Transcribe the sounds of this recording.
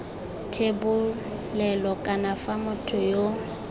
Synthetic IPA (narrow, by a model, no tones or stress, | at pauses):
tʰebʊ | lɛlɔkʼanafamʊtʰʊjo